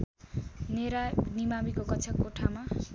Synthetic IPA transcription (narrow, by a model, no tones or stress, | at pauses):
neɾanimamikokʌt͡sʰʌkːoʈʰama